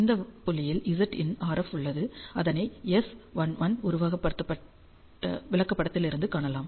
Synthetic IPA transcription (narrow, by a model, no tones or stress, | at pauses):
ɪnd̪ɐpʊlːɪjɪlɪzɐʈɪ̰naːɾɛfʊɭːɐðɯɐðɐnɐɪɛsʋɐnʋɐnʊɾʊʋaːɣɐpːɐɽɯt̪ːɐpːɐʈː | ɐ̰ʋɪɭɐkːɐpːɐɽɐt̪ːɪlɪɾɯnd̪ɯkaːɳɐlaːm